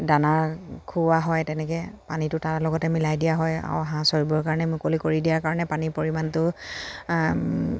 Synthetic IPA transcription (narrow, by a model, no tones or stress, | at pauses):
danaɹkʰuwaɦɔjtɛnɛkɛpanitʊtaɹlɔɡɔtɛmilajdijaɦɔja̰wɦãsoɹibɔɹkaɹɔnɛmʊkolikoɹidijaɹkaɹɔnɛpanipoɹimantʊ